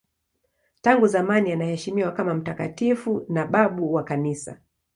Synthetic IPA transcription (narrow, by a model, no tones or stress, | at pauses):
taŋɡuzamanianahɛʃimiwakamam̩takatifunaɓaɓuwakanisa̰